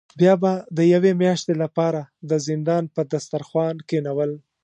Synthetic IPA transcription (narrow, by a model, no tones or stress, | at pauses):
bjɑbad̪əjawemjɑʃt̪elapɑɾad̪əzɪnd̪ɑnpəd̪ast̪aɾxwɑnkenawəl